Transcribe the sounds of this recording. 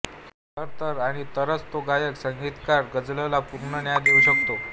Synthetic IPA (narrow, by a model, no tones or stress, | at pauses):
t̪əɾt̪əɾaɽ̃it̪əɾət͡st̪oɡajəksəŋɡʱit̪kaɾɡəd͡zləlapuɾɳənjad̪euɕəkt̪o